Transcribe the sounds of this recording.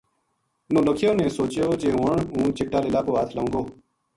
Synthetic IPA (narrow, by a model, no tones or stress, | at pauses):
nõːləkʰjoːnẽːsoːt͡ʃjoːd͡ʒeːɦũːəɳũːt͡ʃɪʈaːlɪlaːpoːɦaːt̪ʰlaũːŋɡoː